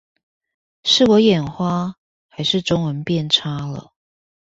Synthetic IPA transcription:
ʂɻ̩˥˩wɔ˨˥jɛ˨˩nxwa˦ | xa˧˦ɪʂɻ̩˥˨ʈ͡ʂʊ˥ŋwə˧˦npjɛ˥˨nʈ͡ʂʰa˦˥lə̰˨

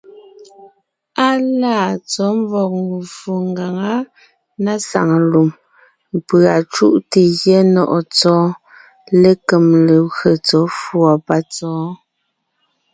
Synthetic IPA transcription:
a˦laː˦˨t͡sɔ˨˦m˦vɔ˨k̚ŋɡu˨fu˨ŋɡa˨ŋa˦ | na˦sa̰˨ŋ˨lu˨m | m̩˨pɰa˨t͡ʃu˦ʔte˨ɣjɛ˦nɔ˦˨ʔɔ˨t͡sɔː˨˦ | le˦ke˨mle˨ɣɰə˨t͡sɔ˨˦fwɔ˨pa˦t͡sɔː˨˦

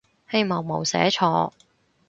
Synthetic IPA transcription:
he˧jmɔː˨˩wmo˨wsɛ̰ː˨˥t͡ʃʰɔː˧

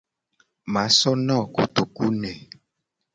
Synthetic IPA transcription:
mã˨˦sɔ˦nɔ̃˦˨ku˨t̪o˨ku˦nɛ̃˨

